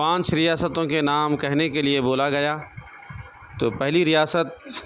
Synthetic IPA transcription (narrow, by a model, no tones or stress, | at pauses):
pãːt͡ʃɾɪjaːsət̪õkenaːmkɛɦnekelieboːlaɡɐjaː | t̪oːpɛɦliɾɪjaːsət̪̚